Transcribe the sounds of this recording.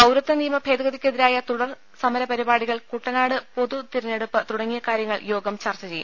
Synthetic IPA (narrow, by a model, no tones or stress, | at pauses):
ɐwɾɐt̪ːɐniːjɐmɐbʱeːd̪ɐɣɐðikʲːeðiɾaːjɐt̪uɽɐr | sɐmɐɾɐpɐɾibaːɽiɣɐɭkuʈːɐnaːɽɨpo̞ðut̪iɾɐnːe̞ɽupːɨt̪uɽɐŋːijɐkaːɾjɐŋːɐɭjo̞ːɡɐmt͡ɕɐrt͡ɕɐt͡ɕeju